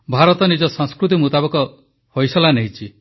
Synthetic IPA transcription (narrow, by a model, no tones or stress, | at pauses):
bʱaɾɔt̪ɔnid͡ʒɔsɔŋskɾut̪imut̪abɔkɔ | hojsɔlaneɦit͡ʃʰi